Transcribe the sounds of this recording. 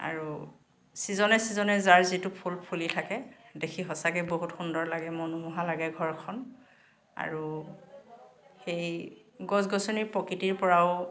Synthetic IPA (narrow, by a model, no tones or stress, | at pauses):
a̰ɹu | sizɔnɛsizɔnɛzaɹzitupʰulpʰulitʰakɛdekʰiɦɔsakɛboɦutxundɔɹlaɡɛmɔnumuɦalaɡɛɡʱɔɹkʰɔn | a̰ɹu | xejɡɔzɡɔsɔniɹpɔkitiɹpɔɹaʊ